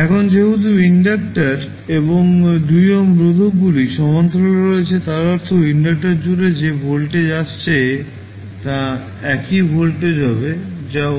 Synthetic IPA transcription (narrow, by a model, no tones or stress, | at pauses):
ɛkʰond͡ʑeɦut̪̬uiɳɖakʈaɾ | eboŋd̪ujomɾod̪ʱokɡuliʃɔmant̪ɾoɾoet͡ɕʰet̪aɾɔɾt̪ʰoiɳɖak̚ʈaɾd͡ʑuɾed͡ʑebʱolʈed͡ʑat͡ɕt͡ɕʰe | t̪a | ɛkibʱolʈed͡ʑabed͡ʑa